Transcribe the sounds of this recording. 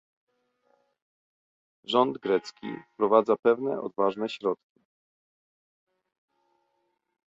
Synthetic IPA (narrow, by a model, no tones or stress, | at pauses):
ʐɔnd̪ɡɾɛt̪skʲḭfpɾɔvad̪zapɛvnɛʔɔ̰d̪vaʐnɛɕɾɔt̪̚kʲi